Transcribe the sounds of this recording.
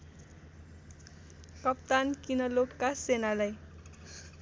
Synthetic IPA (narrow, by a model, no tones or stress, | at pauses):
kʌp̚t̪ankinʌlokːasenalaj